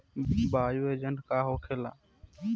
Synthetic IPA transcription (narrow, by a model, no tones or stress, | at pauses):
bʱaːjuːeːd͡ʒəɳʈkaːɦoːkʰeːla̰ː